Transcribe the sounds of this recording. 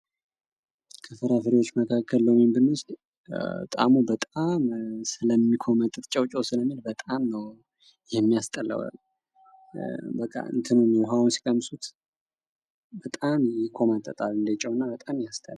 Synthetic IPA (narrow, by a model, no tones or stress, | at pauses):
kʰɨfɨɾafɨɾiwo̞t͡ʃːməkʰakʰːəlːəwmimbɨnɨs | t̪ʼa̰mubət̪ʼamsɨləmːikʰo̞mət̪ʼɨt̪t͡ʃʼɛwt͡ʃʼowsɨləmːilbət̪ʼamnəw | jɪhemːijast̪ʼələ̰wa̰l | bəkʼːa̰ɨ̰nt̪ʰɨnuniwɦawnsi̥kʼəmsʼut̪ | bət̪ʼamjikʰo̞mat̪ʼət̪ʼalɨnd̪ət͡ʃʼɛwnːabət̪ʼamjast̪ʼəl